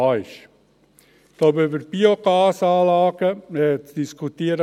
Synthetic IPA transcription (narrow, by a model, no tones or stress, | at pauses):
ɪʃ | d̥oːbybəɾb̥ioɡɑːsɑːlɑːɡ̥əmɛt͡sd̥iskʰut̪iəɾə